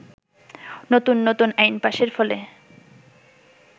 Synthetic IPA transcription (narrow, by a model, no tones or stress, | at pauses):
not̪unːot̪unajnpaʃeɾfɔle